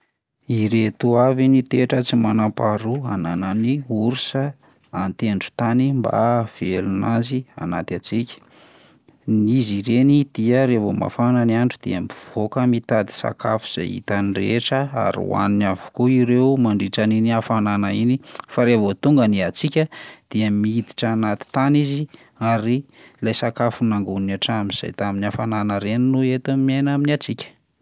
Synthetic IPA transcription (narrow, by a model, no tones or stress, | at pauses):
iɾet̪uavinit̪eʈ͡ʂət͡simanapaɾuanananiuɾusə | ant̪eɳɖ͡ʐu̥t̪animba̰v̥elunazia̰nat̪at͡sikʲə̥ | niziɾenid̪̥iəɾevoma̰fananaɳɖ͡ʐud̪̥ḛamiv̥okəmit̪ad̪i̥sa̰kʰafu̥z̥a̰jḭt̪anireʈ͡ʂəa̰ɾḭwa̰ninavu̥koiɾeumaɳɖ͡ʐiʈ͡ʂaniniafananainifaɾevot̪uŋɡəniat͡sikʲəd̪̥iəmiid̪i̥ʈ͡ʂanat̪i̥t̪anizi | aɾilajsakafunaŋɡunnaʈ͡ʂamiz̥a̰jt̪aminafananaɾeninuet̪amenaminat͡sikʲə̥